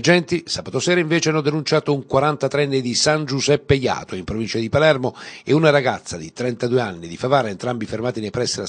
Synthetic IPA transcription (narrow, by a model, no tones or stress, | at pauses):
d͡ʒɛnt̪isaːbat̪osɛːɾaiɱvɛːt͡ʃeanːɔd̪enunt͡ʃaːt̪ouŋkwaɾant̪at̪ɾɛnːed̪isand͡ʒuzɛpːeja̰ːt̪oimpɾovint͡ʃad̪ipalɛrmoeunaɾaɡat̪sːad̪it̪ɾɛnt̪ad̪ueanːid̪ifavaːɾaent̪ɾambifermaːt̪inepɾɛsːila